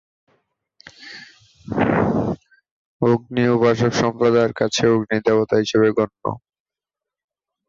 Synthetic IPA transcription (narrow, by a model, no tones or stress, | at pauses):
oɡ̚niubaʃokʃɔmpɾod̪aɾkat͡ɕʰeoɡnid̪ɛbot̪aɦiʃeβeɡɔnːo̰